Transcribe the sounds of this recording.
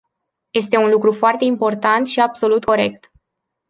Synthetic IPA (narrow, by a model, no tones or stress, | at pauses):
je̞st̪e̞unlukɾufoart̪e̞impo̞rt̪ant̪ʃiabso̞lut̪ko̞ɾe̞k̚t̪